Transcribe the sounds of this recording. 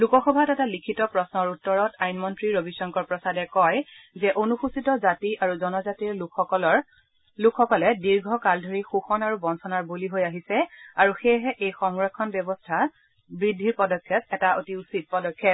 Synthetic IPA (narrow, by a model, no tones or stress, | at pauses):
lukɔxɔbʱatɛtalikʰitɔpɹɔsnɔɹutːɔɹɔtʰajnmɔntɹiɹobisɔŋkɔɹpɹɔsadɛkɔjzɛʔonuxusitɔzatiʔaɹuzɔnɔzatiɹɔl | lukʰxɔkɔlɛdiɹɡʱɔkaldʱoɹixuxɔnaɹubɔnsʰɔnaɹbuliɦojaɦisɛaɹuxeɦɛʔejxɔŋɹɔkʰːɔnbɔbɔstʰa | bɹidʱːiɹpɔdɔkʰːjɔtɛtaotiusit̚pɔdɔkʰːɔt